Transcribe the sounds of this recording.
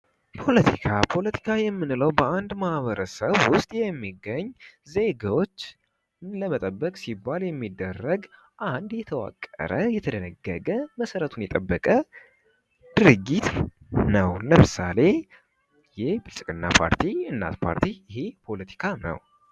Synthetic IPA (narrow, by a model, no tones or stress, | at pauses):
pʰo̞lət̪ʰikʰapʰo̞lət̪ʰi̥kʰajɛmːɨnləwbəand̪mahβəɾəsəβwʊst̪ʼjɛmːiɡːəɲːze̞ɡawo̞t͡ʃː | ləmət̪ʼəbːəkʼsibːaljɛmːid̪ːərːəɡ | ʔand̪jɛt̪ʰəwa̰kʼːə̰ɾəjɛt̪ʰəd̪ənəɡːəɡəməsəɾət̪ʰunjɛt̪ʼəbːəkʼə | d̪̥ɨɾɨɡːit̪ | nəwləmɨsa̰le̞ | jɪhbɨlsʼɨkʼɨnːa̰pʰa̰ɾt̪ʰiɨnːa̰t̪pʰa̰ɾt̪ʰijɪhepʰo̞lət̪ʰi̥kʰanə̰w